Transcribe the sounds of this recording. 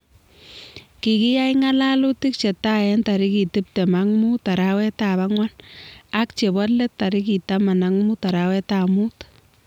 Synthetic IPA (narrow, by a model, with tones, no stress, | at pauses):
ki˨ki˦ja˦jŋa˦la˦lu˦ti˦k̚t͡ʃɛ˨ta˦jɛnta˨ɾi˦ki˨tɪ˦p̚tɛ˨maŋmuta˨ɾawɛ˦taβa˦ŋwa˦na˦k̚t͡ʃe˨bɔ˦tlɛ˦tta˨ɾi˦ki˨tama˨naŋmu˦ta˨ɾawɛ˦tamut